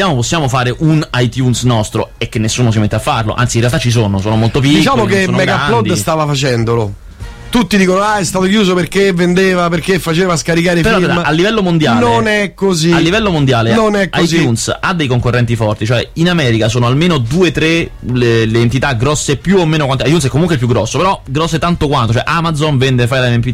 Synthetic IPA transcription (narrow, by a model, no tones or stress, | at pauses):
jaːmoposːjaːmofaːɾeʔunajt̪junsnɔst̪ɾoek̟ːenːesːuːnos̬imet̪ːeafːarlo̰ʔa̰nsinrealt̪at͡ʃːis̬oːnosoːnomolt̪op̬diikt͡ʃaːmokeoːmnmɛɡaalɔd̪ist̪aːvafat͡ʃɛnd̪olo | t̪ut̪ːid̪iːkonoaɛst̪aːt̪okjuːzoperkevend̪eːvaperk̟efːat͡ʃeːvaskaɾikaːɾepeɾɔɾd̪aʔalːivɛlːomond̪jaːnonɛkːoziallːivɛlːomond̪jaːlenonɛkajzjunsad̪ːejkoŋkorːɛnt̪ifɔrt̪it͡ʃoɛinamɛːɾikasoːnoalmeːnod̪uːet̪ɾeleleːnt̪it̪aɡɾɔsːepːjuomːeːnokwant̪oajt̪juns̬ɛkːomuŋkwelp̬juɡːɾɔsːopeɾɔɡɾɔsːet̪ant̪okwant̪ot͡ʃoɔɛʔamad̪zonvɛnd̪efajlaɛɛmpi